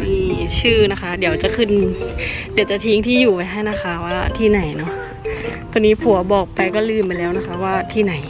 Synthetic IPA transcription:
i˧˩t͡ɕʰɯː˥˩na˦˥kʰa˦˥di˩˦ɐwt͡ɕa˨˩kʰɯ˧˩n | di˩˦wt͡ɕa˨˩t̪ʰiː˦˥ŋt̪ʰiː˥˩juː˨˩pa˧jɦa˥˩jna˦˥˩xʰa˦˥waː˥˩t̪ʰiː˥˩na˩˦jnɔ˦˥ʔ | t̪u˧ŋniː˦˥pʰu˨˩˦ɐbɔː˨˩k̚pa˧jkɔː˥˩lɯː˥˩mpa˧jlɛː˦˥˩wna˦˥kʰa˦˥waː˥˩t̪ʰiː˥˩na˩˦j

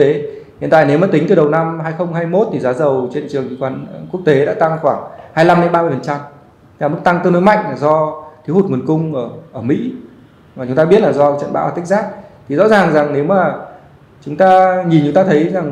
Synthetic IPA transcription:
te˨˦hḭ˧˨nt̪a̰ː˧˨jne˨˦wmaː˨˩i˨˦ŋ̟t̪ɨ˨˩ɗə˨˩wna˧mɦaː˧jxə˧wŋ͡mhaː˧jmo˦˥t̚t̪ʰi˨˩zaː˨˦zə˨˩wt͡ɕe˧nt͡ɕɨ˨˩əŋḭ˧˩kwaː˨˦nku˦˥ək̚t̪e˨˦ɗa̰ː˧˥t̪a˧ŋxwaː˧˩ŋhaː˧jla˧mɗe˨˦nɓaː˧mɨ˧ə˩fə˨˩nt͡ɕa˧m˧˦ | la˨˩mɨ˦˥k̚t̪a˧ŋt̪ɨ˧˨˩no̰˧˦jma̰˧˨jŋ̟laː˨˩zɔ˧t̪ʰi˨˦whu˨˩t̚ŋə˨˩nkʊ˧ŋ͡mʔəː˧˩ʔəː˧˩mḭ˧˥ | maː˨˩t͡ɕʊ˨˦ŋ͡mt̪aː˧ɓi˦˥ət̚laː˨˩zɔ˧t͡ɕə̰˧˨nɓa̰˧˥waː˨˩ka˦˥k̚zaː˦˥k̚t̪ʰi˨˩zɔ̰˧˥zaː˨˩ŋza˨˩ŋne˨˦wmaː˨˩ | t͡ɕʊ˨˦ŋ͡mt̪aː˧ŋi˨˩nt͡ɕʊ˨˦ŋ͡mt̪aː˧t̪ʰə˨˦jza˨˩ŋ

